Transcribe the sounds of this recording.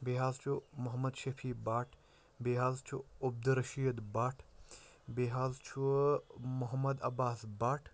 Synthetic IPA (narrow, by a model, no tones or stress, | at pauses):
beːɦaːzt͡ʃʰumʊɦɐmɐd̪ʃɐfʰiːbaːʈʰ | beɦaːzt͡ʃʰuub̚d̪ɾɐʃijəd̪baːʈʰ | beːɦaːzt͡ʃʰu | mʊɦɐmɐd̪ɐbaːsbaːʈʰ